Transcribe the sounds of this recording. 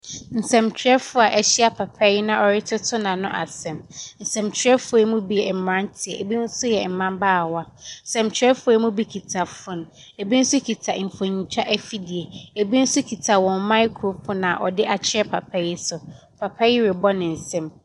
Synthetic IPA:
n̩˨sɛ̃˨mt͡ɕʰɪ˨ɛ˦fʊ˦a˨ʔɛ˦ɕɪ˦a˨pʰa˨pʰa˦jɪ˦nã˦ʔɔ˨ɾɪ˦tʰɪ˦tʰʊ˦nã˨nʊ̃˦ʔa̰˨sɛ̃˨mn̩˨sɛ̃˨mt͡ɕʰᶣɾɛ˦fʊ˨˦ɛ˦mũ˦bi˦jɛ˨m̩˨mã˦ntʰɪ˨ɛ˨e˨bi˦n̩˦sʊ˦jɛ˨m̩˨mã˦mbaː˦˨wa˦n̩˨sɛ̃˨mt͡ɕʰᶣɛ˦fʊ˦ɛ˦mũ˦bi˦kʰi˨tʰa˨fʊ̃˦˨n˨ | e˨bi˦n̩˦sʊ˦kʰi˨tʰa˨ɱ̩˨fo˨ɲĩ˨t͡ɕʰᶣa˦ʔɛ˦fi˦di˨e˨e˨bi˦n̩˦sʊ˦kʰi˨tʰa˨wɔ̃˨nma˦ɪ˦kʰɾo˨pʰɔ˦nã˨ʔɔ˨dɪ˦ʔa˨t͡ɕʰɪ˦ɛ˦pʰa̰˨pʰa˦jɪ˦sʊ˨ | pʰa˨pʰa˦jɪ˦ɾɪ˨bɔ˦nɪ̃˨n̩˨sɛ̃˦˨m

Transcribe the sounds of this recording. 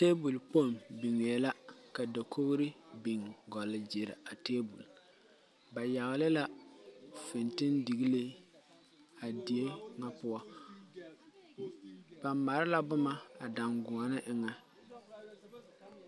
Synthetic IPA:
te˦bu˨lpo˦˨mbi˨ŋe˨ɛ˨la˦ka˨da˨kʰo˦ɣɾɪ˦bi˨ŋɡɔ˨lɪ˨d͡ʒɪ˨ɾɪ̰˨a˨teː˦bṵ˨l | ba˨ja˨ɣɪ˨lɪ˦la˦ | fɪ˨ntɪ˦ndi˨ɣi˦le˦ | a˨di˨e˦ŋa˦pʊ˦ɔ˦ | b̥a˨mːa˨ɾɪ˦la˦bʊ˦ma˦a˨da˨ŋɡʊ˨a˨nɪ˦ʔɪ˨ŋa˦

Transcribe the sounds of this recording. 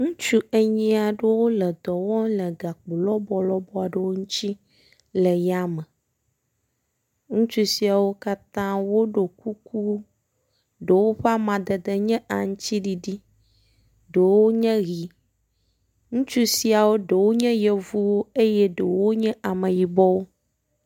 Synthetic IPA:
ŋũ˦t͡ʃu˦e˦ɲɛ̃˦a˨ɖə˦wo˦lə˨d̪ɔ˨wɔ̃˦lə˨ɡa˨k͡po˨lɔ˦bɔ˨lɔ˦bɔ˦a˨ɖə˦wo˦ŋũ˦t͡ɕi˦ | lə˨ja˦mə˨ | ŋũ˦t͡ʃu˦si˨˦a˨wo˦ka˦t̪ã˦wo˦ɖo˨ku˦kʰu˦ | ɖe˨wo˦ɸa˦mã˨d̪ə˨d̪ə˨ɲɛ̃˦ʔa˨ŋũ˦t͡ɕi˦ɖi˨ɖi˦ | ɖə˨wo˦ɲɛ̃˦ɣi˨ | ŋũ˦t͡ʃu˦si˦a˨wo˦ɖə˨wo˦ɲɛ̃˦jɛ˨vu˦wo˦e˦jɛ˦ɖə˨wo˦ɲɛ̃˦ʔa˨mə̃˨ji˨bɔ˦wo˦

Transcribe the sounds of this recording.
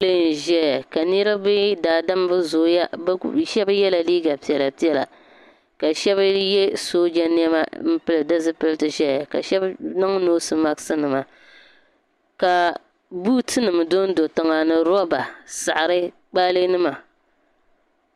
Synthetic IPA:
lɨ˦˨n̩˨ʒɛ˦a˨ka˨ni˦ɾa˦bɨ˦daː˨da˦m˦bɨ˦zo˨ja˦bʃɛ˦ba˦jɛ˦la˨liː˦ɡa˨pi˨ɛ˨la˨pi˦ɛ˦la̰˨ | ka˨ʃɛ˦βa˦jɛ˦soː˦d͡ʒa˦n˦ɛ˦ma˦m̩˦pɨ˦lɨ˨dɨ˦zɨ˦pɨ˦lɨ˦tɨ˨ʒɛ˦a˨ka̰˨ʃɛ˦bnɨ˦ŋ˦noː˦sɨ˨ma˦ksɨ˦nɨ˨ma˨ | ka˨ | bu˦tʰɨ˦nɨ˨mɨ˨do˦n̩˦do˨tɨ˨ŋa˨nɨ˨ɾɔ˦ba˨sa˨ʔa˨ɾɨ˦ | k͡paː˦lɨ˦nɨ˦ma˨

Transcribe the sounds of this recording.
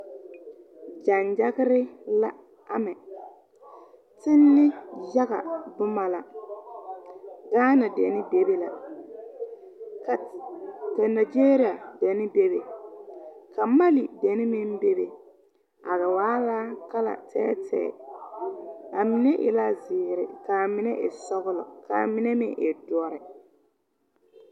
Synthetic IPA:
d͡ʒa˨nd͡ʒa˦ɣɪ˦ɾɪ˦la˦ | a˦mɛ˨ | tɪ˦nːɪ˦ja˦ɣa̰˨bʊ˦ma˨la˨ | ɡaː˦na˨dɛ̰˨nɪ˦be˨be˨la̰˨ | ka˨na˨d͡ʒe˦ɾi˦a˨dɛ˨nɪ˦be˦be˨ | kʰa˨ma˦li˨dɛ˨nɪ˦mɪ˦m˦be˦be˨ | a˨ɣa˨waː˦laː˦ka˦la̰˨tɛ̰ː˦tɛ̰ː˦ | a˨mɪ˨nɛ˦ʔɪ̰˨la˦zɪː˨ɾɪ̰˨ka˨mɪ˨˦nɛ˦ʔɪ˨sɔ˦ɣʊ˦lʊ˨kʰa̰˨mɪ˦nɛ˦mɪ̰˦ʔɪ˨dɔ˦ɾɪ˨

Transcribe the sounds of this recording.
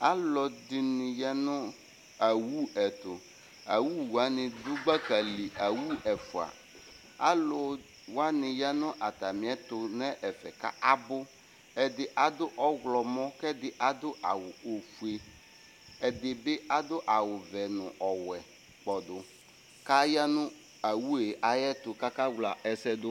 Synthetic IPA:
a˦lɔ˨dɪ˨nɪ˨ja˦nʊ̃˦ | a˨wu˦ɛ˨t̪ʊ˨ | a˨wu˦wu˨a˨˦nɪ˨d̪ʊ˦ɡ͡ba˦ka˨li˨a˨wu˦ɛ˨fʊ˨a̰˨ | a̰˦lʊ˨ | wa˦nɪ̃˨ja˦nʊ̃˦ʔa˨t̪a˨mɪ̃˨ɛ˦t̪ʊ˨nɛ˦ʔɛ˨fɛ˨ka̰˦ʔa˦bʊ˦ | ɛ˨d̪ɪ˨ʔa˨d̪ʊ˦ʔɔ˦ɣlɔ˨mɔ̃˦kɛ˦d̪ɪ˨ʔa˨d̪ʊ˦a˨wʊ˨o˨fu˨e˨ | ɛ˨d̪ɪ˨be˦ʔa˦d̪ʊ˦ʔa˨wʊ˨vɛ˨nʊ̰̃˨ʔɔ˨wɛ˨ | k͡pɔ˨d̪ʊ˨ | ka˦ja˦nʊ̃˦ | a˨wu˦e˨ʔa˨jɛ˦t̪ʊ˨ka˦ka˦wla˨ɛ˦sɛ˦d̪ʊ˦

